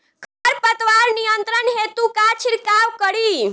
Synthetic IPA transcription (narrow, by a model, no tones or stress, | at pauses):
kəɾpət̪ʋaɾnijənt̪ɾənɦet̪ukat͡ʃʰiɾkawkəɽi